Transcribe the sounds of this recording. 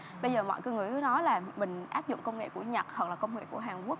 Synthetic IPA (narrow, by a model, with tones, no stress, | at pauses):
ɓə˧jzəː˨˩mɔ̰˧˨jkə˧ŋɨ˨˩əkɨ˨˦nɔ˨˦laː˨˩mï˨˩ŋ̟ʔaː˦˥p̚zʊ̰˧˨ŋ͡mkə˧wŋ͡mŋḛ˧˨ku˧˩əɲə˨˩t̚hɔ˨˩klaː˨˩kə˧wŋ͡mŋḛ˧˨ku˧˩əɦaː˨˩ŋku˦˥ək̚